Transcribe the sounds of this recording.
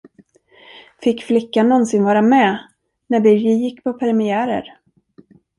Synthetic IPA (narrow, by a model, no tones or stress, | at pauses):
fɪkːflɪkːanɔnsɪnvɑːɾamɛ | nævɪjɪjɪkːpʰɔpʰɛɾɛmɪæːɾə̰ɾ